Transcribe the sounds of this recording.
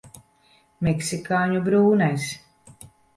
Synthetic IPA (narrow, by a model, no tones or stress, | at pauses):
mɛksikaːɲubɾuːnajs